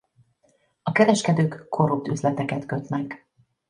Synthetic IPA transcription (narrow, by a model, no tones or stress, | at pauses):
ɒkɛɾɛʃkɛd̪øːkːʰo̞ɾup̚t̪yzlɛt̪ɛkɛt̪kø̞t̪nɛk